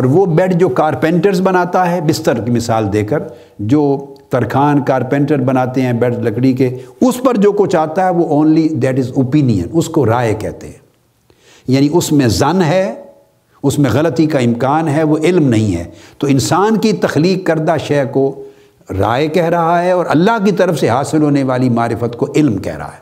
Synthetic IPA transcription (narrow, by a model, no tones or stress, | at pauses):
ɔːɾʋobɛʈd͡ʒoːkaːɾpɛ̃ːɳʈəɾzbɐnaːt̪aɦɛbɪst̪əɾkimɪsaːld̪eːkəɾ | d͡ʒoː | t̪ɐɾkʰaːnkaːɾpɛ̃ːɳʈəɾbɐnaːt̪eɦɛ̃bɛʈzlɐkɽik̬eʊspɐɾd͡ʒoːkot͡ʃaːɦt̪aɦɛʋoʔõːnlid̪ɛːʈɪzoːpiːnijə̰̃nʊskoɾaːekɛ̰ɦt̪eɦɛ̃ː | jaːniʊsmẽzɐnɦɛ | ʊsmẽɣɐlət̪ikaɪ̃mkaːnɦɛʋoʔɪlmnɐɦĩɦɛ̰ːt̪oːɪ̃nsaːnkit̪ɐxliːkːɐɾd̪aʃɛːko | ɾa̰ːekɛɦɾɐɦaɦɛɔːɾɐ̰lːaɦkit̪ɐɾəfseɦaːsɪlɦoːneʋaːlimaːɾɪfət̪koʔɪlmkɛ̰ɦɾɐ̰ɦa̰ɦɛː